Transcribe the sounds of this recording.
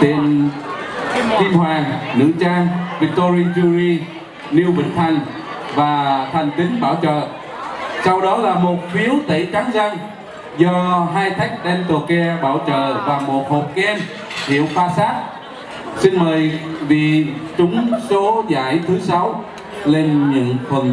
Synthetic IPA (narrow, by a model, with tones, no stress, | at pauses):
t̪ḭ˧˨ən | ki˧mhwaː˨˩ŋnɨ̰˧˥t͡ɕaː˧ŋvi˧˥k̚t̪o˧ɾi˧zu˧ɾi˧ | li˧əwvḭ̈˧˥˨ŋ̟t̪ʰa˨˩jŋ̟ | vaː˨˩t̪ʰa˨˩jŋ̟t̪ï˨˦ŋɓaː˧˩wt͡ɕə̰ː˧˨ | sa˧wɗɔ˨˦laː˨˩mo˨˩t̚fi˨˦əwt̪ə˧˩t͡ɕa˨˦ŋza˧ŋ | zɔ˧ɦaː˧jt̪ʰa˨˦˥jk̟̚ɗ̪ɛ˧nt̪o˨˩kɛ˧ɓaː˧˩wt͡ɕə̰ː˧˨vaː˨˩mo˨˩t̚ho˨˩p̚kɛ˧n | hḭ˧˨əwfaː˧saː˦˥t̚ | si˧nməː˨˩jvi˨˩˨t͡ɕʊ˨˦ŋ͡mso˨˦za̰ː˧˥˨jt̪ʰɨ˨˦sa˨˦w | le˧nɲɨ̰˧˥ŋfʰwə˨˩n